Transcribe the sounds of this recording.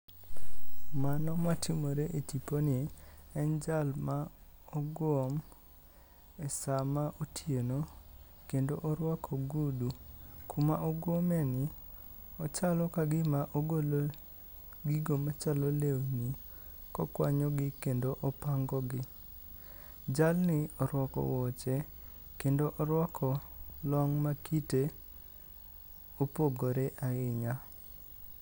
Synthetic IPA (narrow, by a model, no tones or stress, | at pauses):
manɔmatʰimoɾeʔetiponɪɛnd͡ʒalmaɔɡwom | ɛsamaʔotʰieno | kendoʔɔɾwakʰɔɡudukʰumaʔɔɡwomɛnɪ | ɔt͡ʃalɔkaɡɪmaʔoɡol | ɡiɡomat͡ʃalɔleoni | kɔkwa̰ɲɔɡɪkendoʔɔpaŋɡɔɡɪ | d͡ʒalnɪɔɾwɔkɔ̰wɔt͡ʃɛ | kendoʔɔɾwɔkʰɔlɔŋmakite | opoɡoɾeʔaɪɲa